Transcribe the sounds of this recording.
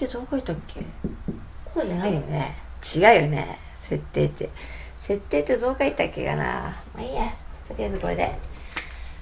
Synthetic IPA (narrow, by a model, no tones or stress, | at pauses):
t̪ːed̪oːkait̪akʰːḛ | konaɡaijo̞nḛt͡ɕiɡaɯ̟jonḛ | se̞t̪ːe̞ːt̪ːe | se̞t̪ːe̞ːt̪ːed̪o̞ːkait̪ːakːḛka̰na̰maiat̪ːokʲid̪azɨko̞ɾḛd̪ḛ